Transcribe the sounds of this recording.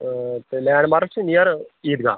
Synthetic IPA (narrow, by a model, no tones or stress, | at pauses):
t̪elɛːɳɖmaːɾkt͡ʃinijɐɾiːd̪ɡa̰ː